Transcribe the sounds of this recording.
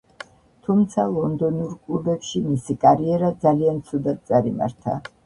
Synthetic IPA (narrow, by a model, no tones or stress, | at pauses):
t̪ʰumt̪sʰalˠɔnd̪ɔnuɾkʼlubɛpʃimisikʼaɾiɛɾad̪zaliant̪sʰud̪at̪̚t̪sʼaɾima̰ɾt̪ʰa̰